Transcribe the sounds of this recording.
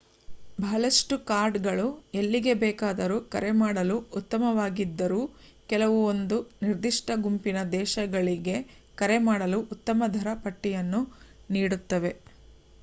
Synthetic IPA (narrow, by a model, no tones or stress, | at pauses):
bʱɐɐlɐʂʈukaːɾɖɡɐɭuelːiɡe̞bɛːkaːd̪ɐɾuːkɐ̰ɾemaːɽɐluːt̪ːɐmɐʋaːɡid̪ːɐɾuː | kɛlɐʋuond̪uniɾd̪iʂʈʰɐɡumpinɐd̪ɛːʃɐɡɐɭiɡe̞ | kɐɾemaːɽɐluʔut̪ːɐmɐd̪ʱɐɾɐpɐʈːijɐnːuniːɽut̪ːɐʋe̞